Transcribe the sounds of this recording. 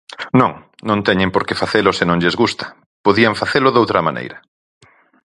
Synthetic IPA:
nõŋ | nõnt̪ɛɲɪ̃mpoɾkefaθelʊsɪnõŋʎezɣust̪ɐ̥ | poðiaɱfaθelʊðowt̪ɾɐma̰nʔḛjɾɐ

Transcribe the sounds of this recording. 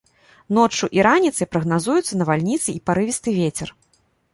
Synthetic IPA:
nɔt͡ʂːuʔiɾanʲit̪sɐjpɾɐɣnazujut̪sːɐnɐvalʲnʲit̪sɨipaɾɨvʲist̪ɨvʲet͡sʲɛr

